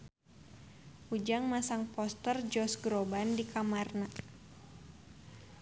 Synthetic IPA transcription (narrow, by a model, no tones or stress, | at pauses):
ʔud͡ʒaŋmasaŋpɔst̪ərd͡ʒɔsɡɾɔbandikʰamarna